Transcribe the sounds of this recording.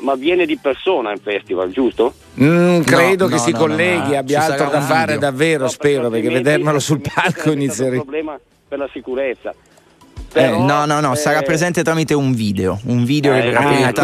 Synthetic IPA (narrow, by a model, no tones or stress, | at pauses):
mavjɛːned̪ipersoːnaiɱfɛst̪iva̰ld͡ʒust̪o | kɾeːd̪okessːikolːɛːɡiabjaalt̪ɾod̪afːaːɾed̪avːeːɾospɛːɾoperk̟evːed̪ermelosulpʰalkʰoinit̪sːjeɾeblɛːma | perlasikuɾet̪sːa̰ | ɛnɔnɔnːɔsaɾapːɾezɛnt̪et̪ɾamit̪euɱviːd̪eouɱviːd̪eokeveɾaeat̪